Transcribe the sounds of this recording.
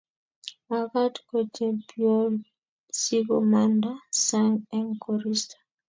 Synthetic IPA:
a˨ka˦tko˨t͡ʃɛ˨mpio˦l | si˦ko˨ma˦nda˦sa˦ŋɛ˦ŋko˨ɾi˦stḁ˨

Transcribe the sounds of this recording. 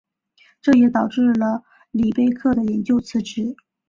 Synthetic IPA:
ʈ͡ʂɤ˥˩jɛ˧˥t̪ɑ˨˩ʊʈ͡ʂɻ̩˥˩lə˩ | li˨˩pe˥˧ɪkʰɤ˥˩d̪ə˩jɛ˧˥nt͡ɕjo˥ʊt͡sʰɹ̩˧˥ʈ͡ʂɻ̩˧˩˥

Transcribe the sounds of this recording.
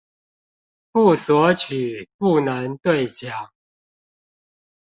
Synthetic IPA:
pu˥˩swɔ˨˥t͡ɕʰy˨˩˦pu˥˩na˧˦nt̪we˥˨ɪt͡ɕja˨˦ŋ

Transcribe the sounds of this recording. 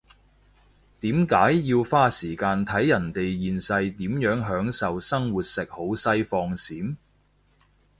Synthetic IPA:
t̪iː˨˥mkaː˨˥jːiː˧wfaː˥siː˨˩kaː˧nt̪ʰɐ˨˥jːɐ˨˩nt̪e˨jːiː˨nsɐ˧jt̪iː˨˥mjœː˨˥ŋɦœː˨˥ŋsɐ˨wsɐ˥ŋwuː˨˩t̚sɪ˨k̚ho˨˥wsɐ˥jfɔː˧ŋsiː˨˥m

